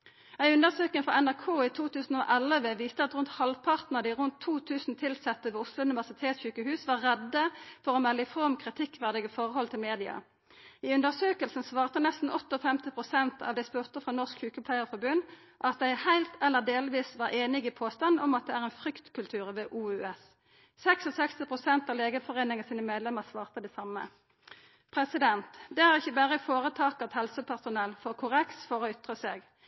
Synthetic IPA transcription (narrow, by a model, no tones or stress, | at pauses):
æɪʉnd̪əʁsøːkəŋfʁɑ̰ɛnæʁkʰoːit̪ʰuːt̪ʰʉːsn̩oːʔɛləʋəʋiːst̪əɑt̪ʁʉnt̪hɑlʋpʰɑʁt̪nəʁəd̪ɪʁʊnt̪ʰːuːt̪ʰʉːsn̩t̪ʰɪlsɛt̪ːəʋeːʊslʊʉnɪʋæʁsɪt̪ʰeːt̪sçyːkəhʉːsʋɑʁʁɛd̪ːəfɔʁoːmɛlːəfʁɔmkʰʁɪt̪ʰɪkːʋæʁd̪ɪɡəfɔʁəhɔlt̪ʰɪlmeːd̪ɪɑ̰ | iːʉnd̪əʁsøːkəlsn̩sʋɑːʁt̪ənɛst̪n̩ɔt̪ːɔfɛmt̪ɪpʰʁʊsɛnt̪ʰɑ̰ʋd̪ɛɪspɔʁt̪əfʁɑnɔʁskçʉːkəpʰlæɪəʁfɔʁbʉn | ʔɑt̪̚d̪æɪhæɪlt̪ʰɛlːəd̪eːlʋiːsʋɑːʁeːnɪɡipʰoːst̪ɑnɔmɑt̪̚d̪ɛæːʁɛɪnfʁʏkt̪kʰʉlt̪ʰʉːʁʋeːʔuːʉːɛs | sɛksɔsɛkst̪ɪpʰʁʊsɛnt̪ɑːleːɡəfɔʁeːnɪŋəsiːnəmeːd̪lɛməʁsʋɑːʁt̪əd̪ɛsɑmːə̰ | pʰʁɛsɪd̪ɛnt̪d̪ɛæʁɪçːəbæːʁəɪfoːʁət̪ʰɑːkɑt̪hɛlsəpʰæʁsʊnɛlfɔʁkʰʊʁɛksfɔʁɔʏt̪ʁəseːɡ